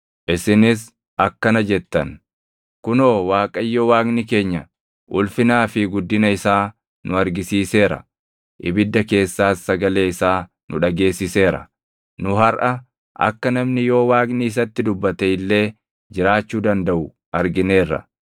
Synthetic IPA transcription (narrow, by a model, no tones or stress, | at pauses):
ʔɪsɪnɪs̬ | ʔɐkːɐnɐd͡ʒɛt̪ːɐn | kʊno̞ːwaːkʼɐjːoːwaːknɪke̞ːɲːɐ | ʔʊlfɪnaːfɪɡʊd̪ːɪnɐɪsaː | nʔʊɐɾɡɪsiːse̞ːɾɐ̰ | ʔɪbɪd̪ːɐke̞ːsːaːsːɐɡɐle̞ːɪsaː | nʔʊᶑɐɡe̞ːsːɪse̞ːɾɐ̰ | nʊɦɐɾʔɐ | ʔɐ̰kːɐnɐmnɪjo̞ːwaːknɪɪs̬ɐt̪ːɪd̪ʊbːɐt̪ɛɪlːe̞ː | d͡ʒɪɾaːt͡ʃːuːd̪ɐnd̪ɐʔʊ | ɐɾɡɪne̞ːrːɐ̰